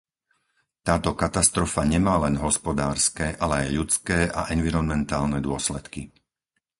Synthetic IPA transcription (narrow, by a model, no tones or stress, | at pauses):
t̪aːt̪ɔkat̪ast̪ɾɔfaɲɛmaːlɛnɦɔspɔd̪aːɾskɛʔalɛajʎut͡skɛːʔa̰ʔɛnʋiɾɔnmɛnt̪aːlnɛd̪ʊɔslɛt̪ki